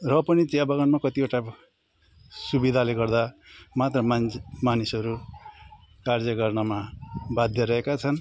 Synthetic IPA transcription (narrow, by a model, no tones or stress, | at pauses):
rʌpʌnit͡siʌbʌɡʌnmakʌt̪ioʈa | subid̪ʱaleɡʌrd̪amat̪rʌmamanisʌɾu | kard͡zʌɡʌrnʌmabad̪ʱjʌɾʌɦekat͡sʰʌn